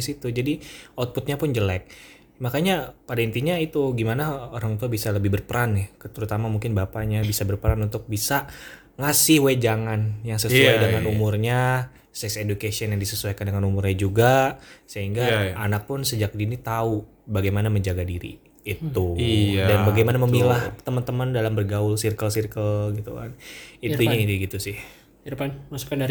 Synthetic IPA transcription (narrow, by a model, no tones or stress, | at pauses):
sit̪ud͡ʒadiɔt̪̚pʊt̪̚ɲapʊnd͡ʒəlɛk̚ | makaɲapadaint̪iɲait̪uɡimanaoɾaŋt̪uabisaləbɪhbərpəɾanjakət̪əɾut̪amamuŋkɪnbapaɲabisabərpəɾanunt̪ʊk̚bisa | ŋasɪhwed͡ʒaŋanjaŋsəsuajdəŋanumʊrɲa | sɛksedukesiɔnjaŋdisəsuajkandəŋanumʊrɲad͡ʒuɡasəɦiŋɡaanak̚pʊnsəd͡ʒak̚dinit̪au | baɡajmanaməɲd͡ʒaɡadiɾḭː | t̪uidanbaɡajmanaməmilaht̪əmənt̪əməndalambərɡaʊlsirkəlsirkəlɡit̪ṵka̰nit̪uɲaiiɡit̪usɪh | ɾpanmasu̥kandaɾ